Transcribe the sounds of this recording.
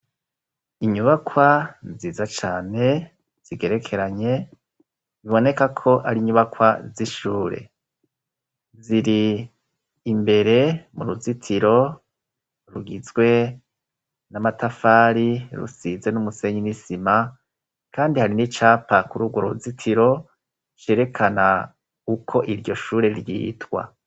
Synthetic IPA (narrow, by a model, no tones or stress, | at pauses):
iɲuβakwaziːzat͡ʃaːne̞ | z̥iɡeɾe̞kʰe̞ɾaɲe̞ | ziβo̞ne̞kakʰo̞ʔaɾiɲuβakwaziʃuːɾe̞̰ | ziɾiː | mbe̞ɾe̞muɾuzitʰiɾo̞ | ɾuɡizɡwe̞ | namatafaːɾiɾṵsize̞numuse̞ɲinisima | kaːndihaɾinit͡ʃaːpakuɾuɡwoɾozitʰiɾo̞ | t͡ʃe̞ɾe̞kʰana | ukʰo̞ʔiɾɟo̞ʃuːɾe̞ɾjḭːtwa̰